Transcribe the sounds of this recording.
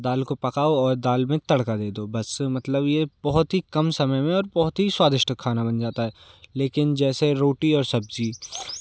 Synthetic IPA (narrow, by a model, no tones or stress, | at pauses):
d̪aːlkopɐkaːoɔːɾd̪aːlmẽt̪ɐɽkad̪eːd̪obɐsmɐt̪ləbjebɔɦʊt̪ɦikɐmsɐməjmẽɔːɾbɔɦʊt̪ɦiswaːd̪ɪʃʈəkʰːaːnabɐnd͡ʒaːt̪aɦɛːleːkɪnd͡ʒɛːseɾoːʈiɔːɾsɐbd͡ʒiː